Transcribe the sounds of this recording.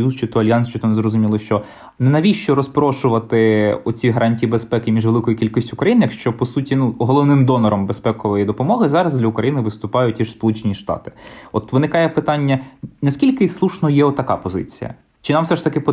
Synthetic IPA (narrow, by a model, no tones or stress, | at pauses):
juzt͡ʃɪt̪ɔɐlʲjɑnst͡ʃɪt̪ɔnzɾɔzʊmʲilˠɪʃt͡ʃɔ | nɛnɐʋʲiʃt͡ʃɔɾɔspɾɔʃʊʋɐt̪ɪɔt͡sʲiɦɐɾʔɑnʲtʲijibespɛkɪmʲiʒʋelˠɪkɔjikʲilʲkɔsʲtʲʊʊkɾɐjinɪjɐkʃt͡ʃɔpɔsutʲinuɔɦɔlˠɔʋnɪmd̪ɔnɔɾɔmbespɛkɔʋɔjid̪ɔpɔmɔɦɪzɑɾɐzdlʲɐʊkɾɐjinɪʋɪst̪ʊpɑjʊtʲiʒ̥spɔlˠut͡ʃenʲiʃt̪ɑ̰t̪ɪ̥ɔt̪ʋɪnɪkɑjɛpɪt̪ɑnʲːɐnɐsʲkʲilʲkɪslˠuʃnɔjɛɔt̪ːɐkɑpɔzɪ̰t͡sʲijɐ̰ | t͡ʃɪnɑmfsɛʃt̪ɐkɪp